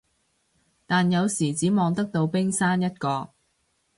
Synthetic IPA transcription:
t̪aː˨njɐ˨˧wsiː˨˩t͡siː˨˥mɔː˨˧ŋt̪ɐ˥k̚t̪o˧wpɪ˥ŋsaː˥njɐ˥t̚kɔː˧k̚

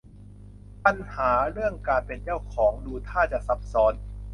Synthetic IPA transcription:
pa˧nhaː˩˦ɾɯ˥˩əŋkaː˧npe˧nt͡ɕa˥˩wkʰɔː˩˦ŋduː˧t̪ʰaː˥˩t͡ɕa˨˩ʔsa˨˦˥p̚sɔː˩˦˥n

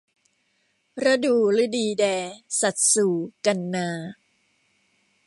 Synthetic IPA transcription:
ɾa˧˥duː˨˩ɾɯ˦˥diː˧dɛː˧sa˨˩t̪̚suː˨˩ka˧nːaː˧

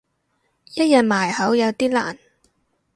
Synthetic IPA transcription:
jɐ˥t̚jɐ˨t̚maː˨˩jhɐ˨˥wjɐ˨˧wt̪iː˥la̰ː˨˩n

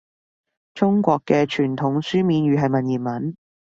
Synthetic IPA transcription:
t͡ʃʊ˥ŋkʷɔː˧kːɛː˧t͡ʃʰyː˨˩nt̪ʰʊ˨˥ŋsyː˥miː˨˧nɥyː˨˧ɦɐ˨jmɐ˨njiː˨˩nmɐ˨˥n

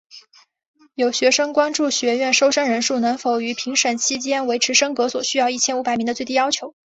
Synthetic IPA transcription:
jo˨˩ʊɕɥɛ˧˥ʂɤ˥ŋkwa˥nʈ͡ʂu˥˩ɕɥɛ˧˥ɥɛ˥˩nʂo˥ʊʂa˥nɻə˧˥nʂu˥˩nɤ˧˥ŋfo˨˩ʊy˧˥pʰi˧˥ŋʂə˨˩nt͡ɕʰi˥t͡ɕjɛ˥nwe˧˥ɪʈ͡ʂʰɻ̩˧˥ʂɤ˥ŋkɤ˧˥swɔ˨˩ɕy˥jɑ˥˧ʊi˥˩t͡ɕʰjɛ˥nu˧˥pa˨˩ɪmi˧˥ŋd̪t͡swe˥˧ɪt̪i˥˩jɑ˥ʊt͡ɕʰjo˧˥ʊ

